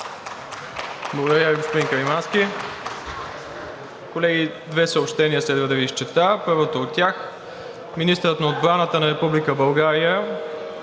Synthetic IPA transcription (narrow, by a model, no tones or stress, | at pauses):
blˠɐɡod̪əɾʲjaviɡospod̪iŋkəɾimanskʲi | kolɛɡʲi | d̪vɛsəopʃt̪ɛniəslɛd̪vəd̪ɐviːʃt͡ʃɛt̪apɤɾvot̪oːt̪ːʲjax | minist̪əɾət̪nɐod̪̚bɾanət̪ənɐɾɛpublikəbɐlˠɡaɾijə